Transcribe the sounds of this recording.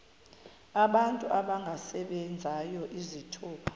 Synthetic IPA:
aɓantʼuʔaɓaŋɡʱasɛɓɛnd͡zʱajɔʔizitʰuːpʰḁ

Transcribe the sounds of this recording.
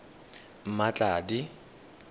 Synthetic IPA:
m̩mat͡ɬʼaːdi

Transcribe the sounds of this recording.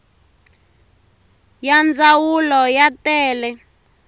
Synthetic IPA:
jand͡zawulɔjatɛːlɛ

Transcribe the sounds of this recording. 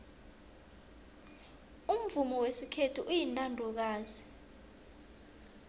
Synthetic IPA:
um̩vumɔwesikʰetʰuʔujinʼandʱɔk̬aːzi̥

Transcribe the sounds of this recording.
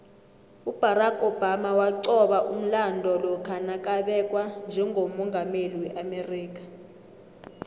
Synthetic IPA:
ub̥ʱaɾakʼɔbamawaǀɔɓaʔum̩landʱɔlɔkʰanak̬ʼaɓɛk̬ʼwand͡ʒʱɛŋʱomɔŋɡʱameliwɛʔameriːk̬ʼḁ

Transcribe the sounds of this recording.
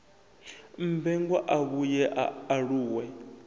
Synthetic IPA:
m̩bɛŋɡwaʔaβujɛʔaɺuːwɛ

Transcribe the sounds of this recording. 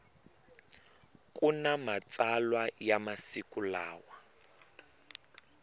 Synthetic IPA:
kʼunamat͡salwajamasikulaːwa

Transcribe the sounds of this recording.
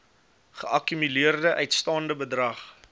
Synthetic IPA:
χəʔɐkymyliərdəʔœɥtstɑːndəbədrɐχ

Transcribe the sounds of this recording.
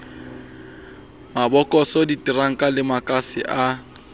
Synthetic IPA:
mabɔkʼɔsɔditʼiraŋ̩kʼalɪmakʼasɪ̰ʔa

